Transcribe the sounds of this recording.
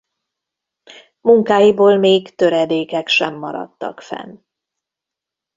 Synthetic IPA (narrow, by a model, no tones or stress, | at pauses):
muŋkaːjiboːlmeːkt̪ø̞ɾɛd̪eːkɛkʃɛmːɒ̰ɾɒ̰t̪ːɒ̰kfɛ̰n